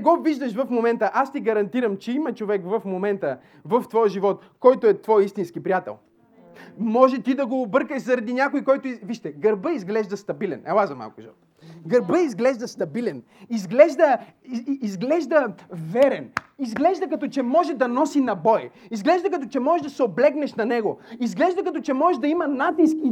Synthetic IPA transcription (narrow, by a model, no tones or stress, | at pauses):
ɡɔviʒd̪əʃvɐfmomɛnt̪əʔast̪iɡɐɾɐnt̪iɾɐmt͡ʃɛimɐt͡ʃovɛkvɐfmomɛnt̪ə | vɐft̪vɔjʒivɔt̪ | kɔjt̪oɛt̪vɔjist̪inskipɾijat̪ɛ̰lˠ | mɔʒɛt̪id̪ɐɡoːbɤɾkəʃzɐɾɐd̪inʲakojikɔjt̪ʊiviʃt̪ɛɡɐɾbəizɡlɛʒd̪əst̪ɐbilɛ̰nɛlazɐma̰lˠkʊʒivɔ̰t̪ | ɡəɾbəizɡlɛʒd̪ɐst̪ɐbilɛn | izɡlɛʒd̪ə | izɡlɛʒd̪əvɛɾɛnizɡlɛʒd̪əkɐt̪ɔt͡ʃɛmɔʒɛd̪ɐnɔsinɐbɔjizɡlɛʒd̪əkɐt̪ɔt͡ʃɛmɔʒɛʒd̪ɐsɛoblɛɡnɛʃnɐnɛɡoizɡlɛʒd̪əkɐt̪ɔt͡ʃɛmɔʒɛʒd̪ɐimɐnat̪iski